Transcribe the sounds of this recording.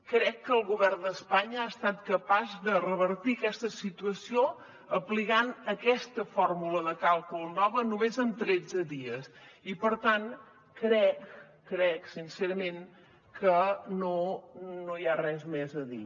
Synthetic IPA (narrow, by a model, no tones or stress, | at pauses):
kɾɛkːəːlˠɣuβɛrnd̪əspaɲəast̪at̪kəpazðərəβəɾt̪iəkɛst̪əsit̪uəsio | əpliɣanəkɛst̪əfɔrmuləðəkalˠkulˠnɔβənumezənt̪ɾɛd͡zəðiəsipəɾt̪an | kɾɛkː | ɾɛksinsɛɾəmen | kʰənonojarɛzmɛzəðḭ